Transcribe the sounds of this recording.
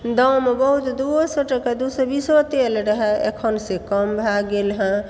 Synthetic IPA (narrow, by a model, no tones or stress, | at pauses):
d̪əwmebəɦut̪d̪usəʈəkad̪usəɾbisot̪elɾəɦɛḛkʰənsẽkəmbʱaɡːelɦə̃